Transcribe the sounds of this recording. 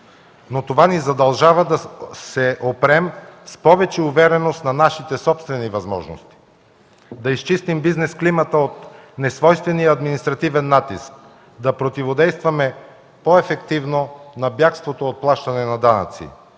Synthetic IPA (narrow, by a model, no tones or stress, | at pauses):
not̪ovanizɐd̪ɐlˠʒavəd̪ɐsɛʔopɾɛmspɔvɛt͡ʃɛuvɛɾɛnost̪nɐnaʃit̪ɛsɔpst̪vɛnivɐzmɔ̰ʒno̰st̪i̥ | d̪ɐist͡ʃist̪imbiznɛsklimət̪əot̪nɛsvɔjst̪vɛnijəɐd̪minist̪ɾɐt̪ivɛnːat̪isk̚ | d̪ɐpɾot̪ivod̪ɛjst̪vɐmɛ | poɛfɛkt̪ivnonɐbjakst̪vot̪oːt̪̚plˠaʃt̪ɐnɛnɐd̪anɐ̰t̪sḭ